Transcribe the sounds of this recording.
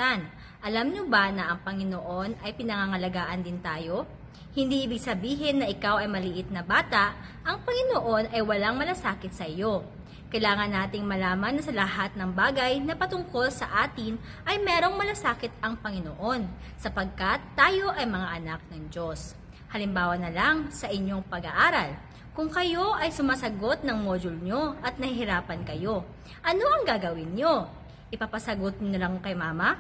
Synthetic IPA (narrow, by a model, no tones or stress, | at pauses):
an | ʔɐlamɲobanɐʔɐŋpɐŋɪnoʔo̞nɐjpɪnɐŋaŋɐlɐɡaːʔɐnd̪ɪnt̪aːjo̞ | hɪnd̪iːʔɪbɪɡ̚sɐbiːɦɪnːɐʔɪkawɐjmɐlɪʔɪt̪̚nɐbaːt̪ɐʔ | ʔɐŋpɐŋɪnoʔo̞nɐjwɐlaŋmɐlɐsaːkɪt̪̚sɐʔɪjo̞ | kɐjlaːŋɐnːaːt̪ɪŋmɐlaːmɐnɐsɐlɐɦat̪̚nɐŋbaːɡɐjnɐpɐt̪ʊŋko̞lsɐ̰ʔaːt̪ɪn | ʔɐjmɛːɾo̞ŋmɐlasaːkɪt̪ɐŋpɐŋɪno̰ʔo̞n | sɐpɐɡ̚kɐt̪ːaːjo̞ʔɐjmɐŋaʔɐnak̚nɐŋd͡ʒo̞s | hɐlɪmbaːwɐnɐlaŋsɐʔɪɲo̞ŋpɐɡɐʔaːɾɐl | kʊŋkɐjo̞ʔɐjsʊmaːsɐɡo̞t̪̚nɐŋmoːd͡ʒʊlɲo̞ʔɐt̪̚nɐhiɦɪɾaːpɐnkɐjo̞ | ʔɐno̞ʔɐŋɡaɡɐwɪnɲo̞ | ʔɪpapɐsɐɡot̪̚ɲnɐlɐŋkɐjmaːmɐ